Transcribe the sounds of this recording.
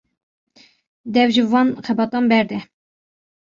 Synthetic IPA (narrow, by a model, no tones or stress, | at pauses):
d̪ɛvʒɨvɑːnxɛbɑt̪ɑmbɛɾd̪ɛ